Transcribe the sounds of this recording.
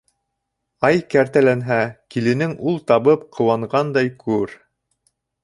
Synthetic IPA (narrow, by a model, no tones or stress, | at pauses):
ɑjkæɾt̪ælænɦækilɘ̆nɘŋulˠt̪ɑβɤp̚qʰɤ̆wɑɴʁɑnd̪ɑjkʰʉɾ